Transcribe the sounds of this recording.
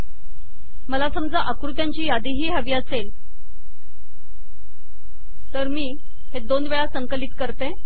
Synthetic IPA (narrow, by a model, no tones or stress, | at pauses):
məlasəmd͡zaʔəkɾut̪jaɲt͡ɕiːjad̪iɦiːɦəʋiasel | t̪əɾmiː | hed̪onʋeɭasəŋkəlit̪kəɾt̪e